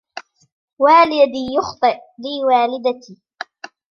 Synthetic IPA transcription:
waːlɪjad̪iːjʊxt̪ˤɨʔliːwaːlɪd̪at̪iː

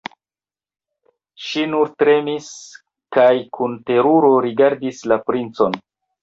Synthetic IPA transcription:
ʃinuɾtɾe̞mis | kajkunte̞ɾuɾoɾiɡaɾdislapɾint͡so̞n

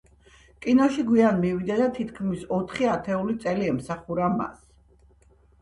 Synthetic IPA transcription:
kʼinɔʃiɡwianmivid̪ad̪at̪ʰit̪ʰkʰmisɔt̪ʰχiat̪ʰɛulit̪sʼɛliɛmsaχuɾama̰s

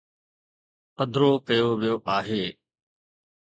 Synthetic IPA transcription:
pəd̪ʱɾoːkəjoːʋijoːʔaːɦeː

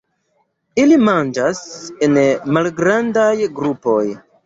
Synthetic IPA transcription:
ilimand͡ʒase̞nmalɡɾandajɡɾupo̞j

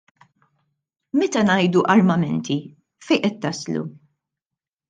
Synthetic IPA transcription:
mɛt̪ɐnɐjd̪uʔɐɾmɐmɛnt̪ʰi | fɛjʔɛt̪ːɐslṵ

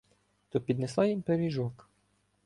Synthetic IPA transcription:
t̪ɔpʲid̪neslˠɑjimpeɾʲiʒɔk

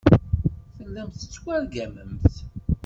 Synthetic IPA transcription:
θəlːæmθə̥t͡sːwæɾɡæməmθ

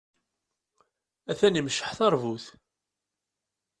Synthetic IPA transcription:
æθænimʃə̥ħθɑɾˤvuθ

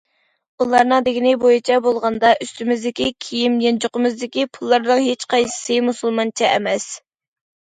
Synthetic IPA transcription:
ulˠɑɾnɨŋd̪ɪɡʲinɪbojit͡ʃʰɛbolˠʁɑnd̪ɑʔyst̪ymɪzd̪ɪkʲikʲʰijimjɛnd͡ʒoqəmɨzd̪ɪkʲipʰulˠːɑɾnɨŋɦet͡ʃqʰɑjsɨ̥sɨmusulˠmɑnt͡ʃʰɛɛ̰mɛs

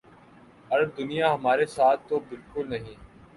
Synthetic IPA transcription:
ɐɾb̚d̪ʊnijaɦɐmaːɾesaːt̪ʰːobɪlkʊlnɐɦĩː

